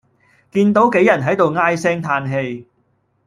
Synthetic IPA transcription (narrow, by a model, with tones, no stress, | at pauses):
kiː˧nt̪o˨˥wke˨˥jɐ˨˩nɦɐ˨˥jt̪o˨wŋaː˥jsɛː˥ŋt̪ʰaː˧nɦe˧j